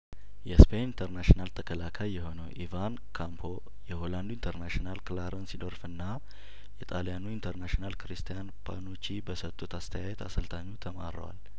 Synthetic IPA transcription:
jɛspʰenint̪ʰəɾnaʃinalt̪ʰəkʰəlakʰajːɛho̞nəwʔivan | kʰampʰo̞ | jɛholand̪uint̪ʰəɾnaʃinalklaɾənsid̪oɾfɨnːa | jɛt̪ʼaljanuint̪ʰəɾnaʃinalkɾist̪ʰijanpʰa̰not͡ʃːibəsət̪ʼːut̪ast̪ʰəjajɛt̪a̰səlt̪ʰaɲːut̪ʰəma̰ɾə̰wa̰l

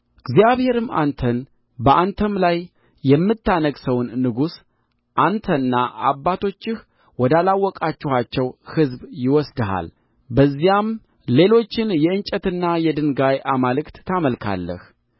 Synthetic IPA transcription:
ɡzijaβhe̞ɾɨma̰nt̪ʰən | bəʔant̪ʰəmlajː | ɛmːɨt̪ːanəɡsəwnːɨɡus | ʔant̪ʰənːaʔa̰bːat̪ʰo̞t͡ʃːɪh | wɔd̪alawːɔkʼat͡ʃːɪhat͡ʃːɛwhɨzbjɪwɔsd̪əɦa̰l | bəzːijam | le̞lo̞t͡ʃːɪnjɛɨnt͡ʃʼət̪ɨnːajɛd̪ɨnɡajʔamalɨkt̪ːʰaməlkʰa̰lːə̰h

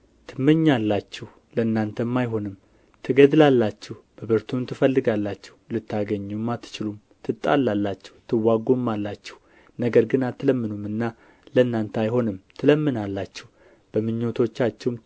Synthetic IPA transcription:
t̪ʰɨmːɨɲːalːat͡ʃːɛh | ləɨnːant̪ʰəmːajɦo̞nɨm | t̪ʰɨɡəd̪ɨlalːat͡ʃːɛhb̥əbɨɾt̪ʰumt̪ʰɨfəlːɨɡalːat͡ʃːɛ̥hlɨt̪ʰːaɡəɲːumːat̪ːɨ̥t͡ʃɪlum | t̪ʰɨt̪ʼa̰lːalːat͡ʃːɛ̥ht̪ʰɨwːaɡomːalːat͡ʃːɛ̥h | nəɡəɾɡɨnat̪ʰːɨləmːɨnumɨnːa | ləɨnːant̪ʰajɦo̞nɨmt̪ʰɨləmːɨnalːat͡ʃːɛh | b̥əmɨɲːot̪ʰo̞t͡ʃːat͡ʃːɛwm

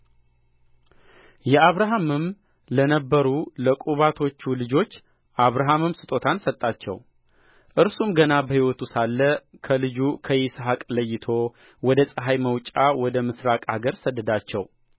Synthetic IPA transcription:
jɛaβɾaɦamɨm | lənəbːəɾuləkʼuβat̪ʰo̞t͡ʃːulɨd͡ʒo̞t͡ʃː | ʔaβɾaɦamɨmsɨt̪ʼo̞t̪ʰansət̪ʼːat͡ʃːɛ̰w | ʔɨɾsumɡənabəhiwɔt̪usalːəkʰəlɨd͡ʒukʰəjsɦakʼləjːɪt̪ʰo̞ | wɔd̪əsʼəɦajməwt͡ʃʼawɔd̪əmɨsɾakʼaɡəɾsəd̪ːəd̪at͡ʃːɛ̰w

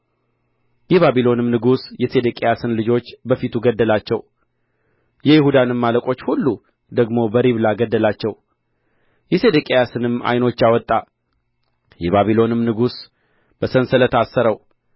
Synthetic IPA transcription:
jɛβaβilo̞nɨmnɨɡusjɛse̞d̪əkʼejasɨnlɨd͡ʒo̞t͡ʃːbəfit̪ʰuɡəd̪ːəlat͡ʃːɛw | jɛjɪhud̪anɨmːaləkʼo̞t͡ʃːhulːu | d̪əɡmo̞bəɾiβlaɡəd̪ːəlat͡ʃːɛw | jɛse̞d̪əkʼejasɨnɨma̰jno̞t͡ʃːawɔt̪ʼːa | jɛβaβilo̞nɨmnɨɡus | b̥əsənsələt̪ʰasːəɾəw

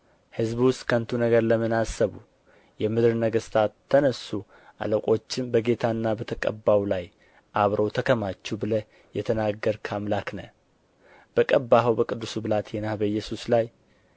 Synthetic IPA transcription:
hɨzbwʊst̪kʰənt̪ʰunəɡəɾləmɨnasːəβu | jɛmɨd̪ɨɾnəɡəst̪ʰaːənəsːu | ʔa̰ləkʼo̞t͡ʃːɪmbəɡe̞t̪ʰanːabət̪ʰəkʼə̰bːawlaj | ʔaβɾəwt̪ʰəkʰəmat͡ʃːubɨlə | jɛt̪ʰənaɡːəɾkʰamlaknə̰ | b̥əkʼəbːaɦəwbəkʼɨd̪ːusubɨlat̪ʰjɛnahbəjːɛsuslaj

